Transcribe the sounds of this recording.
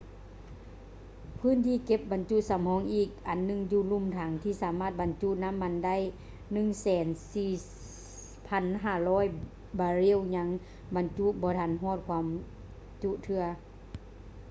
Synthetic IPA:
pʰɯː˧˥˨nt̪ʰiː˧˨ke˧p̚ba˨˦nt͡ɕu˧˥ʔ̚sa˨˦mhɔː˨˦ŋʔiː˧˩k̚ʔa˨˩nːɯ˧˨ŋjuː˧˩lu˧˨mt̪ʰaː˨˦ŋt̪ʰiː˧˩saː˨˦maː˧˩t̪̚ba˨nt͡ɕu˧˨na˧˥˨mːa˧˥nda˧˥˨j | nɯ˧˨ŋsɛː˨˦nsiː˧˩ | pʰa˧˥nɦaː˧˩lɔː˦˧˥j | baː˧ɾi˧˥˨wɲa˧˥ŋ | ba˨˦nt͡ɕu˧˥ʔbɔː˧˦t̪ʰa˧˥nɦɔː˧˥˨t̪̚kʰwaː˧˥m | t͡ɕu˧˨ʔt̪ʰɯ˧ɐ

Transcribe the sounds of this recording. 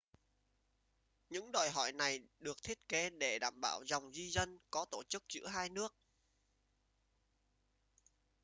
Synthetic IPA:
ɲɨ̰˧˥ŋɗɔ˨˩jɦɔ̰˧˩jna˨˩jɗɨ˨˩ək̚t̪ʰi˦˥ət̚ke˨˦ɗe˧˩ɗa̰ː˧˩mɓa̰ː˧˩wza˨˩wŋ͡mzi˧zə˧nkɔ˨˦t̪o˧˩t͡ɕɨ˦˥k̚t͡ɕɨ̰˧˥ɦaː˧jnɨ˦˥ək̚

